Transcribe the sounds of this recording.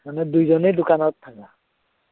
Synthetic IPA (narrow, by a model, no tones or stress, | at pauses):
anɛd̪ujd͡ʒɔnejd̪ukanɔt̪ʰːaka